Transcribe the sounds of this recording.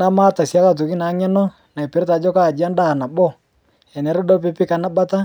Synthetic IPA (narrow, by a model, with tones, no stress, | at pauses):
na˦maː˦ta˨sja˦ka˦˨t̬u˨ki˦na˨˦ɲɛ˦nɔ˦ | na˨i˨pɛ˨ɾta˨˦d͡ʒɔ˦ka˦˨d͡ʒi˨˦a˦nda˦˨na˨bɔ˦ | ɛ˨nɛ˨ɾɔ˦dɔ˦p̬e˦pi˦ka˨na˦ba˦ta˦